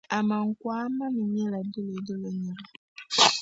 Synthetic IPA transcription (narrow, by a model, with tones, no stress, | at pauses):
a˨mã˨ŋ̩˦kwaː˦mã˦nũ˨mĩ˦la˨dɪ˦le˨də˦lə˨ɲĩ˨la˨